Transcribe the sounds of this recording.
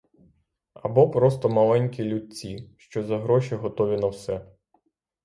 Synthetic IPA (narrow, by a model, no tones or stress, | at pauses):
ɐbɔpɾɔst̪ɔmɐlˠɛnʲkʲilʲud̪̚ʲt͡sʲiʃt͡ʃɔzɐɦɾɔʃiɦɔt̪ɔʋʲinɐwsɛ